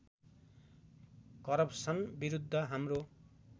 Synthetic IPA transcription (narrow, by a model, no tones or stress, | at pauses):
kʌɾʌpsʌnbiɾud̪ʱːʌɦamro